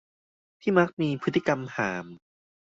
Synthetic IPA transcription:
t̪ʰiː˥˩ma˦˥k̚miː˧pʰɯ˦˥t̪ːi˧˨˧ka˧mhaː˩˦m

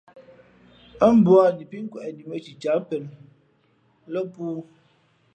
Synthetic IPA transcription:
ə˦m̩˦bu˦a˦˨di˨pi˦ŋ̩˦kwɛ˨ʔɛ˨di˨mə˦t͡ʃi˨t͡ʃa˨˦pə˨l | lə˦puː˦

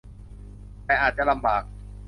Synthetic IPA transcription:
tɛː˧ʔaː˨˩t̪̚t͡ɕa˨la˧mbaː˨˩k̚

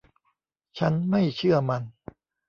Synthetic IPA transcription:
t͡ɕʰa˦˥nma˥˩jt͡ɕʰɯ˥˩ɐma˧n

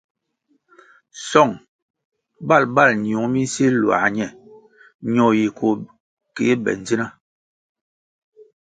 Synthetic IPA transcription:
sɔ˦˨ŋ | ba˦˨lba˦˨lɲ˨u˨ŋ˦mi˦n˦si˦lwa̰˨ɲɛ˨ | ɲɔ˨ji˨kʰo˨ | ke˨˦bɛ̰˨n˦d͡zi˦na˦

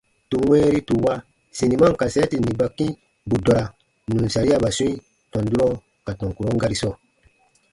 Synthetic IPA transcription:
tu˨wɛ̃ː˦ɾi˦tu˨wa˦ | si˨ni˨mã˦ŋ˨ka˨sɛ˦ti˨nĩ˨ba˨kĩ˦ | bu˨dɔ˨ɾa˨ | nũ˨n˨sa˨ɾi˦a˦ba˨sɔ̃˦i˦ | tɔ̃˨ndu˦ɾɔ˦ | ka˨tɔ̃˨ŋku˨ɾɔ˦ŋɡa˦ɾi˦sɔ˦˨

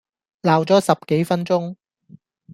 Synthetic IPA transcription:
laː˨˩wt͡sɔː˨˥sɐ˨p̚ke˨˥jfɐ˥nt͡sʊ˥ŋ

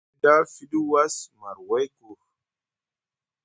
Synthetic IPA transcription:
da˦fi˦ɗu˦wa˦sma˨ɾwa˦jku˨x

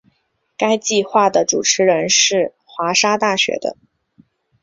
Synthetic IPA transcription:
ka˥ɪt͡ɕi˥˧xwa˥˩d̪ə˩ʈ͡ʂu˨˩ʈ͡ʂʰɻ̩˧˥ɻə˧˥nʂɻ̩˥˩ | xwa˧˥ʂa˥t̪a˥˩ɕɥɛ̰˧˥d̪ə̰˧˦

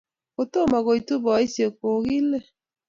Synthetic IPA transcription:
ɣo˨to˦˨ma˨ɣo˨i˨tu˦βɔ˨i˦sjo˨ko˨ɣi˦lɛ˦

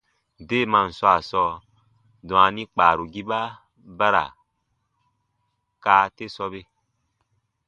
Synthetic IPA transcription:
de˦˨mã˧˨n̩˨swa˨sɔ˧ | dɔ̃˨a˨nĩ˦k͡paː˨ɾu˨ɡi˦ba˦ | ba˦ɾa̰˨ | kaː˦te˦sɔ˧be˦

